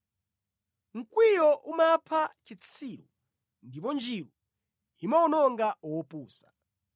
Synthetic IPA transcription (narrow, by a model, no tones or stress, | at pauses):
ŋ̩kwijɔʔumapʰat͡ʃit͡sʰiːɾɔ | ndipɔnd͡ʒiɾu | imaɔnɔŋɡaɔpuːsḁ